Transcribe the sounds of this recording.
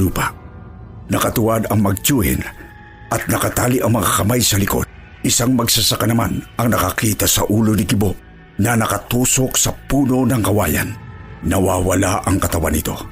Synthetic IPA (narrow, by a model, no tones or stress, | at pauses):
uːpa | nɐkɐt̪ʊwad̪ɐŋmɐɡ̚t͡ʃuːhɪ̰n | ʔɐt̪̚nɐkat̪aːliʔɐŋmɐŋakɐmajsɐlɪko̞̰d̪̚ | ʔɪsaŋmɐɡsasakanɐmanʔɐŋnɐkakiːt̪asɐʔuːloniɡɪbo | nɐnɐkɐt̪uːsoksɐpuːno̞nɐŋkɐwa̰ja̰nːɐwawalaʔɐŋkɐt̪ɐwanɪt̪o̞̰